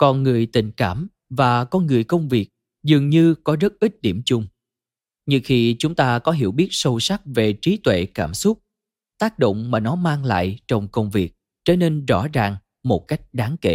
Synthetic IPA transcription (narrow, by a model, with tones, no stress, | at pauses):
kɔ˨˩nŋɨ˨˩əjt̪ï˨˩ŋ̟kaː˧˩m | vaː˨˩kɔ˧nŋɨ˨˩əjkə˧wŋ͡mvi˨˩ək̚ | zɨ˨˩əŋɲɨ˧kɔ˨˦zə˦˥t̚ʔi˦˥t̟̚ɗi˧˩əmt͡ɕʊ˧ŋ͡m | ɲɨ˧xi˧t͡ɕʊ˨˦ŋ͡mt̪aː˧kɔ˨˦ɦḭ˧˩əwɓi˦˥ət̚sə˧wsa˦˥k̚ve˨˩t͡ɕi˨˦t̪wḛ˧˨kaː˧˩msʊ˦˥k͡p̚ | t̪aː˦˥k̚ɗo̰˧˨wŋ͡mmaː˨˩nɔ˨˦maː˧ŋla̰ː˧˨jt͡ɕɔ˧wŋ͡mkə˧wŋ͡mvi˨˩ək̚ | t͡ɕə˧˩ne˧nzɔ̰˧˥zaː˨˩ŋ | mo˨˩t̚ka˦˥jk̟̚ɗaː˨˦ŋke˧˩˨